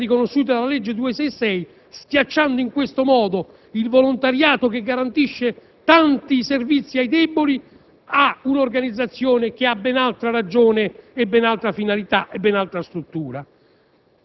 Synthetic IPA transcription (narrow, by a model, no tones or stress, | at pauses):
rikonoʃːuːt̪̬ad̪alaled͡ʒːed̪uːesɛjsɛj | skjat͡ʃːand̪oiŋkwest̪omɔːd̪o | ilvolont̪aɾjaːt̪ok̟eɡːaɾant̪iʃːe | t̪ant̪iservit̪sːiajd̪ɛboli | aunorɡanid̪zːat̪sːjoːnek̟ɪabɛnalt̪ɾaɾad͡ʒoːneebːɛnalt̪ɾafinalit̪aʔebːɛnalt̪ɾast̪ɾut̪ːuːɾa